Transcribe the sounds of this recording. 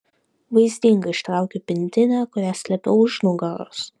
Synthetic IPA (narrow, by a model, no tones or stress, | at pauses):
ʋɐɪzʲd̪ʲiŋɡɐɪʃt̪ɾɑˑʊkʲopʲɪnʲt̪ʲɪnɑkʊɾʲæsʲlʲɛpʲɛʊʊʒnʊɡɑɾo̰s